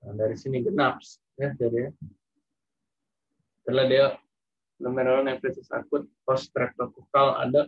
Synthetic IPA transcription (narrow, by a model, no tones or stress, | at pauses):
ədaɾisiniɡənap̚s | jad͡ʒadi | t̪əladia | ləmɛɾolanapesisa̰kʊt̪̚pɔst̪ɾɛk̚t̪okukala̰daʔ